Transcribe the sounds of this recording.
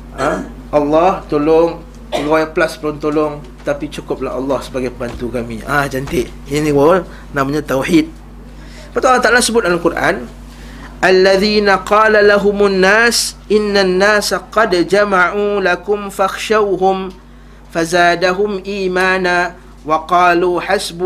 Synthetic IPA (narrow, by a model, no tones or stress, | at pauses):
a | ʔɑlːɑht̪olʊŋ | əɡwajaʔpəlast̪olʊŋt̪olʊŋ | t̪apit͡ʃukʊp̚la̰hɑlːɑhsəbaɡajpəbant̪ukamḭʔahd͡ʒant̪ɪʔ | inĩwa | namaɲãt̪awħid̪̚ | pat̪ualːɑht̪aʔalasəbʊt̪̚alalkurʔa̰n | ʔalːaðiːnaqɑːlalaɦʊmʊnːaːsʔɪnːanːaːsaqɑd̪d͡ʒamaʕulakʊmfaxʃawɦʊm | fazaːdaɦʊmʔiːmaːna | wɑqɑːluːħasb